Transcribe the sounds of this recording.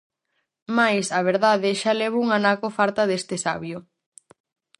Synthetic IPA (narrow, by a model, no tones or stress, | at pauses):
majsaβ̞eɾðaðɪʃaleβ̞ouŋanakofaɾt̪ɐðest̪esaβjʊ